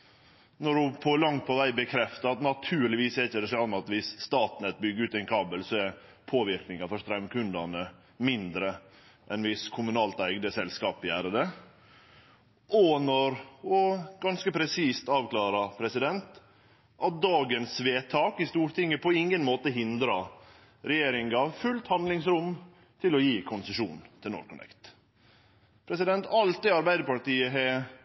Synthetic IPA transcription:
nɔɖʉpʰɔlɑŋt̪̚pʰɔʋæɪbəkʰɾɛft̪əɾɑt̪nɑt̪ʰʉːlɪʋiːsɛɾɪçːəd̪ɛsɛlɔmɑt̪ʋɪsːt̪ɑːt̪nɛt̪̚bʏɡəʉːt̪ɛɪnkʰɑːbəlsɔɛɾ | pʰoːʋɪɾknɪŋɑfœʂt̪ɾɛmkʰʉnd̪ɑnə | mɪnd̪ɾə | ʔɛnʋɪskʰʊmʉnɑːlt̪æɪɡd̪əsɛlskɑːpɪæːɾəd̪ɛ | ɔnɔɾɔɡɑnskəpʰɾɛsiːst̪ɑːʋklɑːɾɑpʰɾɛsɪd̪ɛnt̪ | ʔɑt̪̚d̪ɑːɡənsʋeːt̪ʰɑːkɪst̪uːɾt̪ʰɪŋːəpʰɔɪŋənmoːt̪əɦɪnd̪ɾɑ | ɾɛjeːɾɪŋɑʋfʉlt̪hɑnd̪lɪŋsɾʊm | t̪ʰɪlɔjiːkʰʊnsəʂṵːnt̪ʰɪlɔ̰ːɾkʰʊnɛ̰kt̪ | pʰɾɛsɪd̪ɛnt̪ɑlt̪ɪɑɾbæɪd̪əɾpɑʈiːəɦɛ

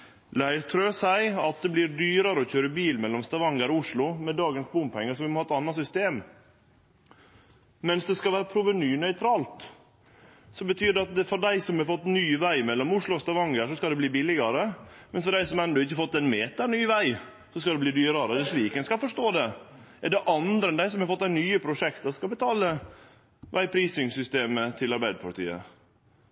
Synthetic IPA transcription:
læɪɾt̪ʰɾøːsæɪɑt̪̚d̪ɛbliɾɖyːɾɑɾəɔçøːɾəbiːlmɛlːɔmst̪ɑʋɑŋːəɾɔʊʂɭʊmɛd̪ɑːɡənsbʊmpʰɛŋːəsɔʋɪmɔhɑːɛt̪ɑnːɑsʏst̪eːm | mɛnsd̪ɛskɑlʋæːɾəpʰɾuːʋənyːnœʏt̪ʰɾɑːlt̪ | sɔbət̪ʰyːd̪ɑt̪̚d̪ɛfɔɖæɪsɔmhɑfɔt̪ːnyːʋæɪmɛlːɔmʊʂɭʊst̪ɑʋɑŋəʂɔskɑlɛbliːbɪlɪɡɑɾəmɛnsfɔɖæɪsɔmɛnd̪ɔɪçːəfɔt̪ːɛɪnmeːt̪ɑɳyːʋæɪ | sɔskɑd̪ɛbliːd̪yːɾɑɾəd̪ɛʂʋiːkənskɑfɔʂt̪oːd̪ɛ | ɛɖɛʔɑnd̪ɾəɛnd̪æɪsɔmhɑɾfɔt̪ːænyːəpʰɾʊʂɛkt̪əɾskɑlbət̪ʰɑːlə | ʋʔæɪpʰɾiːsɪŋsʏst̪eːmət̪ʰɪlɑɾbæɪd̪əpʰɑɾʈ̪ḭːə̰

